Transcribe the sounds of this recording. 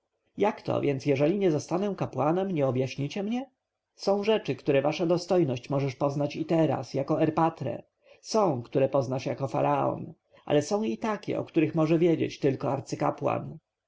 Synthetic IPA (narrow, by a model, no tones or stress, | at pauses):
jakt̪ʰɔ̰vʲjʔɛnsjɛʐɛlʲiɲɛzɔst̪anɛ̃kapwanɛmɲɛɔbjaɕɲit͡ɕɛmɲɛ | sɔ̃w̃ʐɛt͡ʂɘkt̪uɾɛvaʂad̪ɔst̪ɔjnɔɕt͡ɕmɔʐɛʂpɔznat͡ɕit̪ɛɾa̰sjakɔɛɾpat̪ɾɛ̰ | sɔ̃w̃kt̪uɾɛpɔznaʂjakɔfa̰ɾaɔ̰n | ʔa̰lɛsɔ̃w̃it̪akʲɛ̰ɔ̰kt̪uɾɘxmɔʐɛvʲjɛd͡ʑḛt͡ɕt̪ɘlkɔaɾt̪sɘka̰pwa̰n